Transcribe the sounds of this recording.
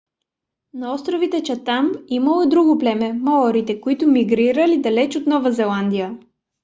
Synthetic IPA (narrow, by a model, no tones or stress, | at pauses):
nɐɔst̪ɾovit̪ɛt͡ʃɐt̪amimɐlˠod̪ɾuɡoplɛmɛmɔɾit̪ɛkoit̪ʊmiɡɾiɾəlid̪ɐlɛt͡ʃot̪nɔvɐzɛlˠand̪ijə